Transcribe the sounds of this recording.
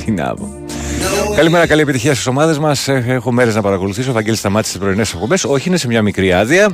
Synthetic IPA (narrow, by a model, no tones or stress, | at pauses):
t̪inɐ̰vo̰ | kɐlime̞ɾɐkɐlie̞pit̪içiɐst̪i̥so̞mɐðe̞zmɐseexome̞ɾe̞znɐpɐɾɐko̞luθis̬ofɐɟe̞list̪ɐmɐt̪i̥st̪spɾo̞inesek̚pobe̞so̞çiine̞se̞mɲɐmikɾiɐðiɐ